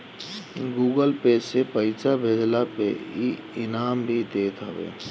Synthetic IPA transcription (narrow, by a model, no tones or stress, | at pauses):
ɡuːɡəlpeːsepəɪsabʱeːd͡ʒlape | ɪnaːmbʱid̪eːt̪ʰɦəʋḛː